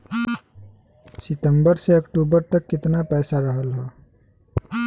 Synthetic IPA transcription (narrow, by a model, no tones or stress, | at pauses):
sɪt̪əmbəɾseɐkʈuːbəɾt̪əkːɪt̪napɛːsaɾəɦəlɦɛː